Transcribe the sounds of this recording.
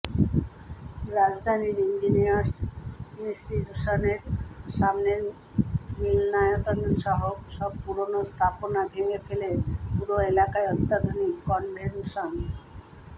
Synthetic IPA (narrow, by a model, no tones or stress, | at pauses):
ɾad͡ʑd̪ʱaniɾind͡ʑinijaɾsinsʈituʃoneɾʃamneɾ | milnajot̪onʃɔɦoʃɔb̚puɾonost̪ʰaponabʱeŋefelepuɾoelakaeɔt̪ːad̪ʱonikːɔnbʱenʃon